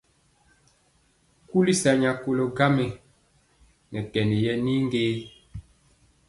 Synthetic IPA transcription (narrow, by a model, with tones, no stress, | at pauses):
ku˦li˦sa˨ɲa˨ko˨lo˨ɡa˦mɛ˨ | nɛ˨kɛ˨ni˨jɛ˦ni˦ŋ˦ɡeː˦